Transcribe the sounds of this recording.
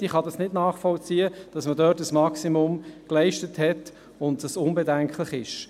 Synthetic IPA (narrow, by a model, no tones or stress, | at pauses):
iχɑdɑsnɪdnɑːχfɔlt͡siːəd̥ɑsmədœːtəsmɑksimʊmklɛɪʃtəthɛt | ʊntd̥ɑsʊnbɛdɛŋkχlɪχɪʃ